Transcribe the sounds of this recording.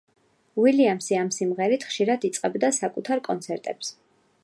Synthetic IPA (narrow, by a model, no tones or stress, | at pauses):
wiliamsiamsimʁɛɾit̪ʰχʃiɾad̪it̪sʼqʼɛbd̪asakʼut̪ʰaɾkʼɔnt̪sʰɛɾt̪ʼɛps